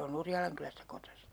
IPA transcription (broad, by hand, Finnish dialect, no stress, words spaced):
on urjɑlɑŋkylæstæ kotosi